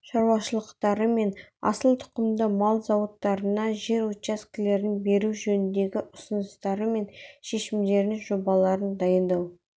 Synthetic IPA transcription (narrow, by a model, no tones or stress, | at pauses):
ʃɑɾwɑʃəlˠəqt̪ɑɾəme̞nɑ̰səlˠt̪ʰʊ̥qəmd̪əmɑlˠzɑwot̪ːɑɾənɑʒe̞ɾwot̪t͡ʃaskʲɪle̞ɾɪnbe̞ɾuʒɵnɪnd̪e̞ɡʲɪʔʊsənəst̪ɑɾəme̞nʃe̞ʃɪmd̪e̞ɾɪnʒo̞bɑlˠɑɾənd̪ɑjənd̪ɑw